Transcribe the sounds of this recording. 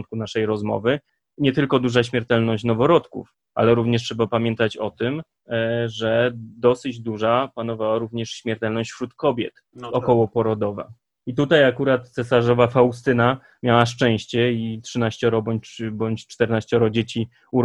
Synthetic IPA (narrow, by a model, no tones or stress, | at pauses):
nt̪kunaʂɛjɾɔzmɔ̰vɘ | ɲɛt̪ɘlkɔd̪uʐaɕmʲjɛɾt̪ɛlnɔɕt͡ɕnɔvɔɾɔt̪kṵf | ʔa̰lɛɾuvɲɛʂ̬tʂɛbapamʲjɛnt̪at͡ɕɔt̪ɘm | ʐɛd̪ɔsɘd͡ʑd̪uʐapanɔvawaɾuvɲɛʂɕmʲjɛɾt̪ɛlnɔɕt͡ɕfut̪kɔbʲjɛ̰t̪ | ɔkɔwɔpɔɾɔd̪ɔva̰ | it̪ut̪ajakuɾat̪t̪sɛsaʐɔvafawst̪ɘna | mʲjawaʂt͡ʂɛ̃w̃ɕt͡ɕɛitʂɘnaɕt͡ɕɔɾɔbɔɲbɔɲt͡ɕt͡ʂt̪ɛɾnaɕt͡ɕɔɾɔd͡ʑet͡ɕi | uɾ